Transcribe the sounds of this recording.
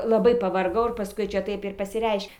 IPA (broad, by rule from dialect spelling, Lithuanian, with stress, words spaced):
lˠɐˈbɐɪ pɐʋɐrˈɡɐʊ ɪr pɐˈskʊɪ ˈt͡ʃʲɛ ˈtɐɪp ɪr pɐsʲɪˈrʲɛɪʃʲ